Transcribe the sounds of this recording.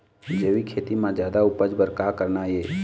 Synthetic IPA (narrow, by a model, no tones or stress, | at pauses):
d͡ʒəʋikʰeːt̪imãd͡ʒjaːd̪aʊpəd͡ʒbəɾkaːkəɾnajeː